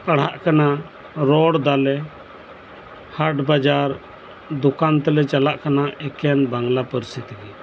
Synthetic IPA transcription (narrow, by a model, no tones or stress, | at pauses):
paɽ̤ɦaʔkana | ɾɔɽd̪alɛ | haʈbad͡ʒaɾ | d̪ɔkant̪ɛlɛt͡ʃalaʔkanaɛkɛnbaŋɡlapəɾsit̪ɡi